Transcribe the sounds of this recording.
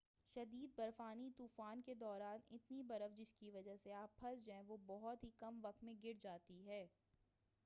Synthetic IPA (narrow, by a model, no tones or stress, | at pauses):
ʃɐd̪iːd̪̚bɐɾfaːnit̪uːfaːnked̪ɔːɾaːnɪ̰t̪nibɐɾəfd͡ʒɪskiʋɐd͡ʒəɦseaːpʰːɐsd͡ʒoɦɛ̃ʋobɔɦɔt̪ɦikɐmʋɐk̚t̪mẽɡɪɾd͡ʒaːt̪iɦɛː